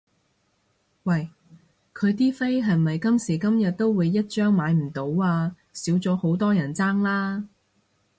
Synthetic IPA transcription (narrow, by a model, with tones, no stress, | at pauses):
wɐ˨˩j | kʰɵ˨˧ɥt̪̬iː˥fe˥jɦɐ˨jmɐ˨jkɐ˥msiː˨˩kɐ˥mjɐ˨t̚t̪o˥wwuː˨˧jːɐ˥t̚t͡ʃœː˥ŋmaː˨˧jm̩˨˩t̪o˨˧˥waː˧ | siː˨˥wt͡sɔː˨˥ho˨˥wt̪ɔː˥jɐ˨˩nt͡saː˥ŋlaː˥